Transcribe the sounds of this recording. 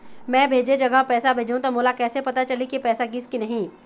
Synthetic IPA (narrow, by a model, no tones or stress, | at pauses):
mɛ̃ːbʱeːd͡ʒed͡ʒɐɡəɦpɛːsabʱeːd͡ʒũt̪omoːlakɛːsepɐt̪at͡ʃɐlikipɛːsaɡɪskinɐɦĩː